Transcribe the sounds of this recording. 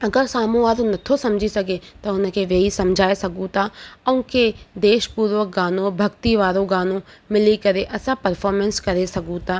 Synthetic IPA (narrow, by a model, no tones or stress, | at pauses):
əɡəɾsaːmũːaːɾõːnət̪ʰːõːsəmd͡ʒiːsəɡeːt̪ãːʊnãkeːʋeːiːsəmd͡ʒʱaːeːsəɡũːt̪ãːəũːked̪eːʃpuːɾʋək̚ɡaːnõːbʱəkt̪iːʋaːɾõːɡaːnõːmɪliːkəɾeːʔəsãːpəɾpʰɔːɾmɛnskəɾeːsəɡũːt̪ãː